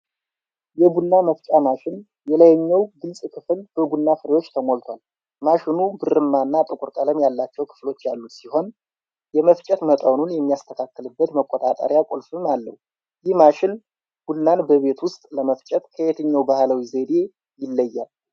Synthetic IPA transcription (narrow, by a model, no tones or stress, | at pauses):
jɛbunːaməft͡ʃʼamaʃɪn | jɛləjɛɲːɛwɡɨlsʼkʰɨfɨlbəbunːafɨɾewot͡ʃːt̪ʰəmo̞lt̪ʰwal | maʃɪnubɨɾɨmːanːat̪ʼɨkʼʊɾkʼələmjalːat͡ʃːɛwkʰɨ̥flo̞t͡ʃːjalːusiho̞n | jɛməft͡ʃʼət̪mət̪ʼəwnunjɛmːijast̪ʰəkʰakːɨlɨbːət̪məkʼːot̪ʼat̪ʼə̰ɾjakʼolfɨmalːə̰hu | jɪhmaʃɪn | b̥unːanbəβe̞t̪wʊst̪ʼləməft͡ʃʼɛt̪kʰəet̪ʰəɲːawbahləwized̪e̞ | jɪlːəjːal